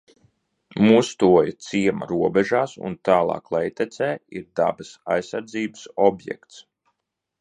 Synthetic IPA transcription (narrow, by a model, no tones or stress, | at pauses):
must̪uɔjt̪siɛmɐ̰ɾuɔbɛʒaːsṵnt̪aːlˠɑ̰ːklˠɛjt̪ɛt̪sɛːiɾd̪a̰bəsa̰jsaɾd̪ziːbəsɔbjɛ̰kt̪s